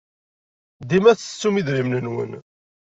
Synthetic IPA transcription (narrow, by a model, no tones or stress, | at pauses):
d̪imæt͡sːə̥t͡sːumiðɾimnənwə̰n